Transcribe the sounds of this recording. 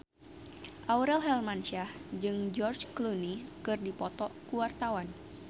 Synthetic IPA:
ʔawɾɛlɦɛlmanʃahd͡ʒɨŋd͡ʒɔrd͡ʒklunikɨrdipɔt̪ɔkuwart̪awan

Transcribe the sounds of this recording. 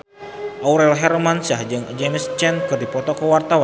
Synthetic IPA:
ʔawɾɛlɦɛɾmansahd͡ʒɨŋd͡ʒemst͡ʃɛnkɨrdipɔt̪ɔkəwart̪awan

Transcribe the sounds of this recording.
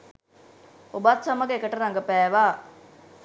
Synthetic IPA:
obat̪saməɡeekəʈəɾaŋɡəpæːʋaː

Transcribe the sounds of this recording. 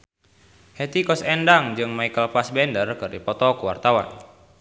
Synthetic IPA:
hɛt̪ikɔsɛndaŋd͡ʒɨŋmaikəlpasbɛndərkɨrdipɔt̪ɔkuwa̰rt̪awa̰n

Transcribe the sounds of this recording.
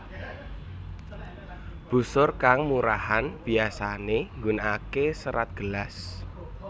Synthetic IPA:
b̥ṳsʊrkaŋmuɾahanb̥i̤asaneŋɡunakesəɾat̪̚ɡ̥əlas

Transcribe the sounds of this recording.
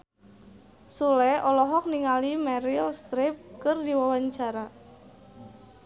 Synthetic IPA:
sulɛɔlɔɦɔk̚niŋalimɛɾilst̪ɾɪp̚kərdiwawaɲt͡ʃaɾa

